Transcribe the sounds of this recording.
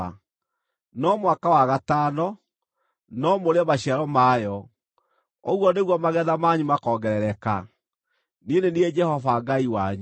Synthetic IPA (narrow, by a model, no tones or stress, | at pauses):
a | nɔmwakawaɣatanɔ | nɔmoɾeamaɕiaɾɔmajɔ | oɣwɔneɣwɔmaɣɛðamaɲumakɔːɡɛɾɛɾɛka | nenenied͡ʒɛhɔfaɡaiwaɲu